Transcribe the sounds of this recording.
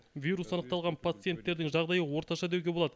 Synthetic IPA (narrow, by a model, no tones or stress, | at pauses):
vʲijɾusɑnəqt̪ɑlˠʁɑnpʰat̪sɨjent̪ːe̞ɾd̪ɪŋʒɑʁd̪ɑjəwo̞ɾt̪ɑʃɑd̪e̞wɡʲe̞bo̞lˠɑd̪ə